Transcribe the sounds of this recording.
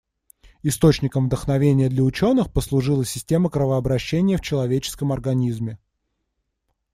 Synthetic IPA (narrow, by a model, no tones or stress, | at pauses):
ɪst̪o̞t͡ɕnʲɪkəmvd̪əxnɐvʲenʲɪjəd̪lʲəʊt͡ɕo̞nːɨxpəslˠʊʐɨlˠəsʲɪsʲtʲe̞məkɾəvəɐbɾɐɕːenʲɪjəft͡ɕɪlˠɐvʲet͡ɕɪ̥skəmɐrɡɐnʲizmʲɪ